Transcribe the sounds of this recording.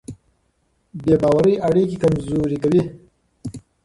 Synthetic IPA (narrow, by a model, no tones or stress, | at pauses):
beːbɑːwaɾəjaɽikikamzoɾikawi